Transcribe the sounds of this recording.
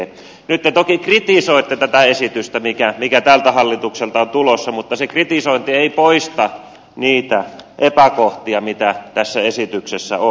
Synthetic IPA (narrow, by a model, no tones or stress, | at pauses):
nyt̪ːet̪okikrit̪isoit̪ːet̪æt̪æesit̪yst̪æmikæmikæt̪æːlt̪æhɑlːit̪ukselt̪ɑont̪ulosːɑmut̪ːɑsekrit̪isoint̪ieipoist̪ɑ | niːt̪æʔepækoht̪iɑmit̪æt̪æsːæesit̪yksesːæ̰o